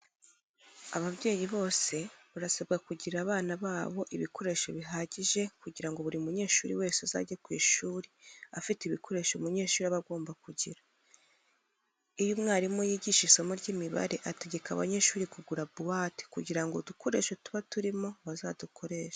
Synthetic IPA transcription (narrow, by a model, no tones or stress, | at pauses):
aβabɟe̞ːjiβo̞ːse̞βaɾasebɡakuɟiɾaːβaːnaβaːβo̞ʔiβiko̞ɾe̞ʃo̞βiɦaːɟiʒe̞kuɟiɾaŋɡo̞βuɾiumuɲe̞ːʃuːɾiwe̞ːseaza̰ɟekwḭːʃuːɾiafiteiβikʰo̞ɾe̞ːʃomuɲe̞ːʃuːɾiaβaɡo̞ːmbakuɟiɾa | ijumŋaːɾimojiːɟiʃisomuɾɟiːmiβa̰ɾe̞ʔate̞ɟe̞ka̰βa̰ɲe̞ʃuːɾikuɡuɾabuwaːti̥kuɟiɾaŋɡoduko̞ɾe̞̰ːʃotu̥βatuɾimo̞βazaːdukʰo̞ɾe̞ːʃḁ